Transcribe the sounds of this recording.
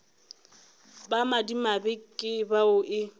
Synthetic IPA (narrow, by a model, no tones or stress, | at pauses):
bamadimabɪkʼɪbaʊʔɪ